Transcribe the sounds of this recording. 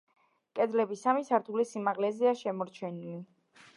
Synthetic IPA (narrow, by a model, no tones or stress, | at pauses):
kʼɛd̪lɛbisamisaɾt̪ʰulisimaʁlɛzɛaʃɛmɔɾt͡ʃʰɛnili